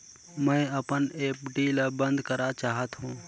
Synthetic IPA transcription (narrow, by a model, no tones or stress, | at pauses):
mə̃əpəneːpɖiːlabə̃nd̪kəɾat͡ʃaːɦət̪ɦũː